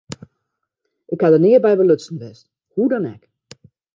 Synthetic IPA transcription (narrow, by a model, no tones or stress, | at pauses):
ʔɪkhadənɪːəbɛjʋəløsn̩ʋɛst | hudɔnɛ̰k